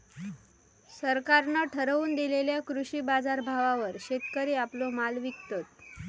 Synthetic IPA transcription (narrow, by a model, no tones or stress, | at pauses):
səɾkaɾnəʈʰəɾəuːnd̪ileljakɾuɕiːbad͡zaɾbʱaʋaʋəɾɕet̪kəɾiaplomalʋikt̪ət̪